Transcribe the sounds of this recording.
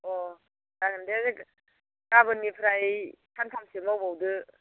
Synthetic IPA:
ɔ | dakɯndezɯk | kabɯnipʰɾajtʰantʰamsimawbawdɯ

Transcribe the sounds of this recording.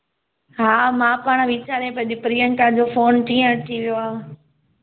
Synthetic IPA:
ɦaːmãːpaːɽ̃ʋit͡ɕaːɾẽpɐ̃d͡ʑipɾiːəɳʈad͡ʑoːfoːnʈ̪ʰiːə̃əʈ̪ʰiʋijoaː

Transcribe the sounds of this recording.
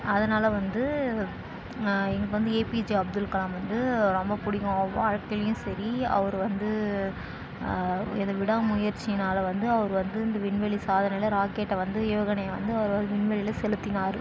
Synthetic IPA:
ɐðɐnaːlɐʋɐnd̪ɯ | ɛŋɡɐʋɐnd̪ɯeːpid͡ʒiɐb̚d̪ɯlkɐlaːmʋɐnd̪ɯɾɔmbɐpʊɽɪɣõʋaːɻkɐljʊ̃sɐɾiɐ̰ʋɐɾɯʋɐnd̪ɯ | ɪ̰nd̪ɐʋɪɽaːmʊjɐɾt͡ʃːɪnaːlɐʋɐnd̪ɯɐʋɐɾɯʋɐnd̪ɯɪnd̪ɐʋɪɳʋɛɭisaːðɐnɐɪɪlɐɾaːkeːʈːɐʋɐnd̪ɯoːɣɐnɐjʋɐ̰nd̪ɯɐʋɐɾɯʋɐnd̪ɯʋɪɳʋɛɭɪlɐsɛlɯt̪ːɪnaːɾɯ

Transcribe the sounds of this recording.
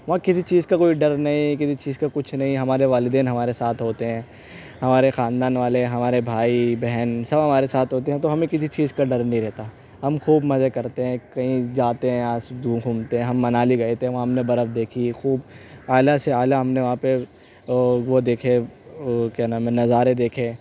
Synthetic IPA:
ʋɐɦãkɪsit͡ʃiːzkakoːiɖɐɾnɐɦĩkɪsit͡ʃiːzkakʊt͡ʃʰnɐɦĩɦɐmaːɾeʋaːlɪd̪eːnɦɐmaːɾesaːt̪ʰɦoːt̪eɦɛ̃ː | ɦɐmaːɾexaːnd̪aːnʋaːleɦɐmaːɾebʱaːibɛɦɛnsɐbɦɐmaːɾesaːt̪ʰɦoːt̪eɦɛ̃t̪oɦɐmẽkɪsit͡ʃiːzkaɖɐɾnɐɦĩɾɛɦt̪a | ɦɐmxuːbmɐzekɐɾt̪eɦɛ̃kɐɦĩd͡ʒaːt̪eɦɛ̃asd̪ʱũːkʰũːmt̪eɦɛ̃ɦɐmːɐnaːliɡɐet̪eɦɛ̃ʋoɦɐmnebɐɾəfd̪eːkʰixuːbaːlaseaːlaɦɐmneʋɐɦãːpe | ʋod̪eːkʰe | kɛːnamẽnɐzaːɾed̪eːkʰeː

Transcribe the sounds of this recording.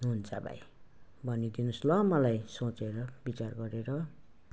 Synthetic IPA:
ɦunt͡sabʱa̰j | bʱʌnid̪inuslʌmʌlajsõt͡seɾʌbit͡sarɡʌɾeɾʌ

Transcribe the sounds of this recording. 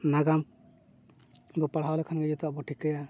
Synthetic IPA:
naɡam | ɡɔpaɽɦawlɛkʰanɡɛd͡ʒɔt̪aʔbɔʈʰikaja

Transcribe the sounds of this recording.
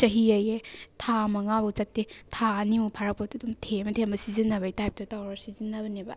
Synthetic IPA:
t͡ʃɐɦiɐjetʰamɐŋabɐt͡ʃɐtːetʰaɐnimupʰaɾɐk̚pɐtudumtʰemɐtʰembɐsizinːɐbɐitajp̚tɐtawɾabsizinːɐbɐnebɐ̰

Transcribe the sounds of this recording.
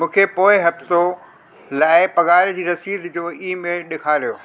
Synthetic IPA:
mũːkʰepoːɪɦɐfso | laːɪpɐɣaːɾd͡ʑiːɾɐsiːd̪d͡ʑoːiːmẽɗɪkʰaːɾijoː

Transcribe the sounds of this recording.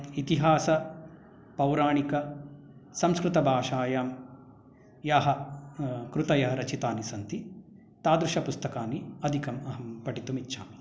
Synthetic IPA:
it̪iɦaːsɐ | pɐwɾaːɳikɐ | sɐmskɾut̪ɐbʱaːʃaːjaːm | jaːɦɐ | kɾut̪ɐjɐɦɐɾɐt͡ʃit̪aːnisɐnt̪i | t̪aːd̪ɾuʂɐpust̪ɐkaːniɐd̪ʱikɐmɐɦɐmpɐʈit̪umitːʃʰa̰ːm

